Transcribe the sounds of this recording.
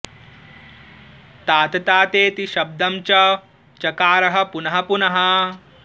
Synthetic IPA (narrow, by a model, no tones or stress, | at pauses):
t̪aːt̪ɐt̪aːt̪eːt̪iʃɐb̚d̪ɐmt͡ʃɐ | t͡ʃɐkaːɾɐɦɐ̆punɐɦɐpunɐɦɐ